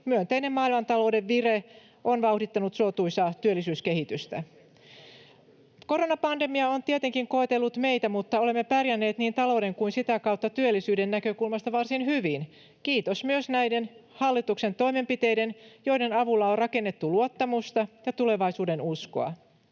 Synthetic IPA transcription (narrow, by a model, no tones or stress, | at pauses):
myønt̪eine̞mmɑːilmɑnt̪ɑlo̞wde̞ʋːire | ʔonʋɑuhdit̪ːɑnut̪sot̪uisɑt̪yølːisyːskeɦit̪yst̪æ | ko̞ro̞nɑpɑnde̞miɑont̪iet̪eŋkiŋko̞et̪elːut̪me̞jt̪æmut̪ːɑo̞le̞mːepærjænːe̞ːt̪niːnt̪ɑlo̞ːde̞ŋkuinsit̪ækɑut̪ːɑt̪yølːisyːdenːækøkulmɑst̪ɑʋɑrsinhyʋin | kiːt̪osmyøsnæjdenhɑlːit̪ukse̞nt̪o̞ime̞mpit̪e̞jde̞njo̞ide̞nɑʋulːɑorrɑke̞nːe̞t̪ːuluot̪ːɑmust̪ɑjɑt̪uleʋɑisuːde̞nusko̰ɑ̰